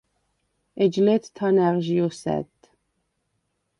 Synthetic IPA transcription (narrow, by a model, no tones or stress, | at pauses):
ɛd͡ʒlet̪ʰt̪ʰɑnæʁʒijosæ̰t̪